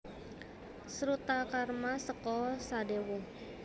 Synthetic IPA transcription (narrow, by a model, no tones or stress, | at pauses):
səɾut̪akarmasəkɔsadewɔ